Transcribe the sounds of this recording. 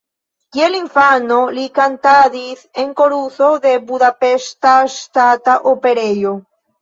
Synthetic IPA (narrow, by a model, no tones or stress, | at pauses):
ɡjeliɱfanolikant̪aðiθeŋkoɾuθoðebuðapest̪ast̪at̪aʔopeɾeʎo